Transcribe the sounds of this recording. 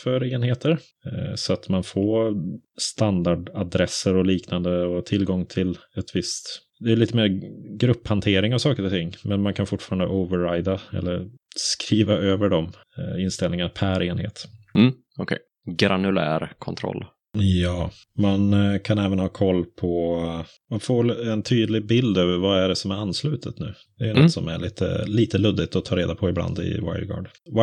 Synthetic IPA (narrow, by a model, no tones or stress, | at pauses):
fœɾeːnheːt̪əɾ | sɔat̪manfoːst̪and̪aɖad̪ɾɛsːəɾɔliːknand̪əɔt̪ʰɪlːɡɔŋt̪ʰɪlɛt̪vɪst̪ | d̪ɛːɭiːt̪əmeːɾɡɾɵpːhant̪ʰeːɾɪŋavsɑːkəɾɔt̪ʰɪŋːmɛnmankʰanfʊʈːfɑːɾand̪ə̰ʔɔvəːajd̪aɛ̰lːəɾskɾiːvaøːvəɖɔm | ɪnst̪ɛlnɪŋanapʰæɾeːnhḛːt̪m̩ | ɔkʰɛ̰j | ɡɾanɵlæ̰ːɾkʰɔnt̪ʰɾɔ̰lː | jɑː | mankʰanɛːvənhɑːkʰɔlːpʰɔ | manfoːɛnt̪ʰyːd̪lɪɡbɪld̪øːvəɾvaæɖɛsɔmæɾanːslʉ̟ːt̪ʰət̪nʉ̟ː | d̪ɛjnɔt̪ːsɔmæɭiːt̪ʰə̰liːt̪əlɵd̪ɪt̪ɔt̪ʰɑːɾeːd̪apʰɔɪbla̰nd̪ɪ̰wa̰ɪlɡɑ̰ːɖ